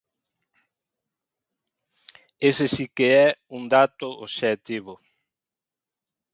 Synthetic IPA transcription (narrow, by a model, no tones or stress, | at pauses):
esesikeɛuŋd̪at̪ʊoʃɛt̪iβʊ